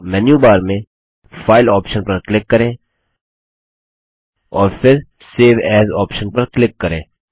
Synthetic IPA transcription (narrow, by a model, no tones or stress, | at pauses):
mɛnjuːbaːɾmẽ | fʰaːɪlɔːpʃənpɐɾklɪkːɐɾẽː | ɔːɾfʰɪɾ | seːʋɛːzɔːpʃənpɐɾklɪkːɐɾḛ̃ː